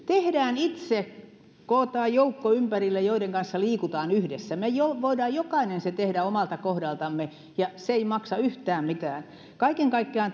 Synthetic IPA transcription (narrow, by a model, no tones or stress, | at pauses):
t̪ehdæːnit̪se | koːt̪ɑːjjoukːoympærilːejoiɾeŋkɑnsːɑliːkut̪ɑːnyhdesːæmejoʋoidɑːjjokɑinenset̪ehdæomɑlt̪ɑkohdɑlt̪ɑmːe | jɑseeimɑksɑyht̪æːmmit̪æːn | kɑikeŋkɑikːeɑn